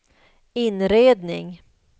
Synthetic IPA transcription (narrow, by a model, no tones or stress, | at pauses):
ɪnɾeːd̪nɪ̰ŋ